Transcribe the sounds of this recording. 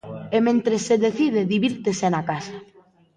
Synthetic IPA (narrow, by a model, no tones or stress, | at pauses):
emẽnt̪ɾesːeðeθiðeðiβiɾt̪esenakasa